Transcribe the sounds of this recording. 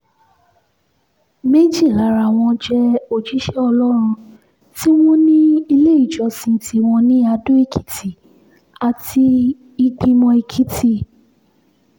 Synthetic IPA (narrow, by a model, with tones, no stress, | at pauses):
me˦d͡ʒi˦˨la˨˦ɾa˨w̃ɔ̃˧d͡ʒɛ˧o˨d͡ʒi˨˦ʃɛ˦ɔ˧lɔ˦ɾ̃ũ˧ | ti˦w̃ɔ̃˦nĩ˦i˧le˦i˦˨d͡ʒɔ˨˧sĩ˧ti˨˧w̃ɔ̃˧nĩ˦a˧do˦i˦˨kʰi̥˨˦tʰi˨ | a˨ti˧ | i˧ɡ͡bĩ˧mɔ̃˧i˧kʰi˨˦tʰi˦˨